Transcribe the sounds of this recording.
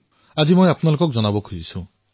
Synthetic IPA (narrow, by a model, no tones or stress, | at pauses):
ad͡ʒimojapɔnalokɔk̚d͡ʒɔnabɔkʰuzisũ